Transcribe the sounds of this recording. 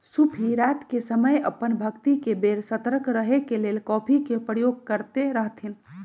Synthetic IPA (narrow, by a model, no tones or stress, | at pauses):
supʰiɾat̪kesəməjə̰pənbʱəkt̪ikebeɾsət̪ɾəkɾəɦekelelkɔpʰikepɾəjoɡ̚kəɾt̪eɾəɦt̪ʰin